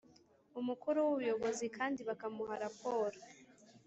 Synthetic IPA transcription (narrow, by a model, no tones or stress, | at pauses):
umukuɾuwuβujo̞ɡo̞zikʰaːndiβakamuhaɾapo̞ːɾo